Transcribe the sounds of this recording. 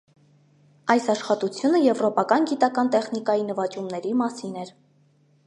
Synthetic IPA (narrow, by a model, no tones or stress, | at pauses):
ɑjsɑʃχɑt̪ut͡sʰjunəjɛvɾɔpɑkɑnɡit̪ɑkɑnt̪ɛχn̪ikɑjinəvɑt͡ʃumnɛɾimɑsinɛɾ